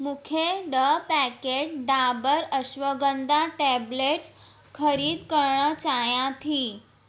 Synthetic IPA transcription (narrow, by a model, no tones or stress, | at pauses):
mukʰjeɖəpækeʈ̚ɖabəɾəɕʋəɡənd̪ʱaʈɛbleʈs | kʰəɾiːd̪kəɾɳət͡ɕajãt̪ʰiː